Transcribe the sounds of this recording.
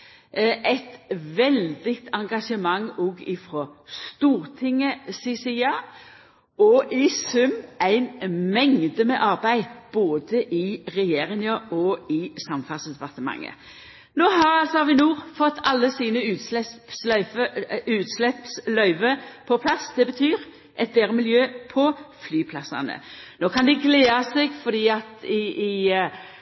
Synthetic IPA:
ʔæɪt̪ʋɛld̪ɪɡt̪ʰɑŋɡɑʂəmɑŋːɔɡɪfɾɔst̪uːʁt̪ʰɪŋːəsisiɑː | ɔʔɪsʉmæɪnmɛŋd̪əmɛʔɑʁbæɪd̪b̥oːd̪əʔɪʁɛjeːʁɪŋəʔɔɪsɑmfɑlsɛd̪pɑʁt̪əmɑ̰ŋːə̰ | noːɦɑɑlsɔhɑʋɪnuːʁfɔt̪ːʰɑlːəsiːnəʉːt̪slɛpslœʏfəʉːt̪slɛpslœʏʋəpʰɔpʰlɑsd̪̥ɛbət̪ʰyːɾ | ʔɛt̪̚d̪eːɾəmɪljøːpʰɔflyːpʰlɑsɑ̰nə̰noːkʰɑnd̪ɪɡleːɑseɡfɔd̪iːɑt̪ɪɪ

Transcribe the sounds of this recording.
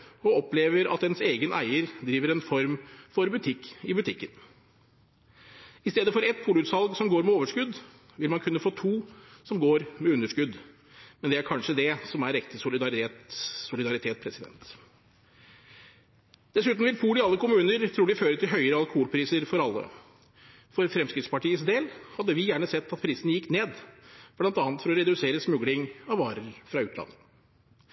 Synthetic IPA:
ɔɔpleːʋəɾɑ̰t̪ɛnseːɡənʔæ̰ɪəɾd̪ɾiːʋəɾɛnfɔɾmfɔɾbʉt̪ʰɪkːɪbʉt̪ʰɪkːən | ɪst̪eːd̪əfɔɾɛt̪̚pʰuːlʉːt̪sɑlɡsɔmɡoːɾmɛoːʋəʂkʉd̪ | ʋɪlmɑnkʰʉnːəfoːt̪ʰuːsɔmɡoːɾmɛʉnːəʂkʉd̪ | mɛnd̪ɛæɾkʰɑnʂəd̪ɛsɔmæɾɛkt̪əsʊlɪd̪ɑɾet̪sʊlɪd̪ɑɾɪt̪ʰeːt̪̚pʰɾɛsɪd̪ɛ̰nt̪ | d̪̥ɛsʉːt̪n̩ʋɪlpʰuːlɪɑlːəkʊmʉːnəɾt̪ʰɾuːɖɪføːɾət̪ʰɪlɦœʏəɾəɑlˠkuːlpʰɾiːsəɾfɔɾɑlːə̰ | fɔɾfɾɛmskɾɪt̪spɑʈiːəs̬d̪eːlhɑd̪ːəʋɪjæːɳəsɛt̪ːɑt̪̚pʰɾiːsənəjɪkːneːd̪b̥lɑnt̪ɑːnət̪fɔɾɔɾɛd̪ʉseːɾəsmʉɡlɪŋɑʋɑːɾəɾfɾɑʉːt̪lɑ̰nːə

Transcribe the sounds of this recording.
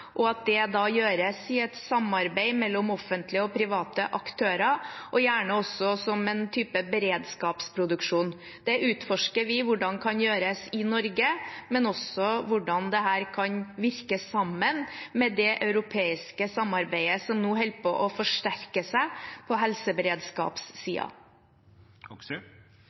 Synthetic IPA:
ʔɔɑt̪̚d̪ɛd̪ɑːjøːɾəsɪɛt̪sɑmːɑɾbæɪmɛlːɔmɔfːənt̪ʰlɪəɔpʰɾɪʋɑːt̪əʔɑkt̪ʰøːɾɑʔɔjæːɳəɔsːɔsɔmɛnt̪ʰyːpəbəɾeːd̪skɑːpspʰɾʊd̪ʉkʂuːn | d̪̥ɛʔʉːt̪fɔʂkəɾʋɪʋʊɖɑnkʰɑnjøːɾəsɪnɔɾɡəmɛnɔsɔʋʊɖɑnd̪ɛɦæːɾkʰɑnʋɪɾkəsɑmːənmɛd̪ɛʔɑʉɾʊpʰeːɪskəsɑmːɑɾbæɪəsɔmnuːɦɛlpʰɔʔɔfɔʂʈæɾkəsæɪpʰɔɦɛlsəbəɾeːd̪skɑ̰ːpsːḭːɑ̰

